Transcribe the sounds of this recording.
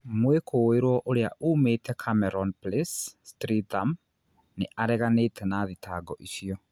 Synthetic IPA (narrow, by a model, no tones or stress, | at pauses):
mwekʰoːeɾwɔʔoɾea̰ʔuːmeːtɛkʰamɛɾɔnplesstɾitam | neʔaɾɛɣaneːtʰɛnaðitʰaɡɔʔiɕiɔ